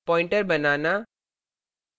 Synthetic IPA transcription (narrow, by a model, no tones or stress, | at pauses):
pɔːjɪɳʈɐɾbɐnaːna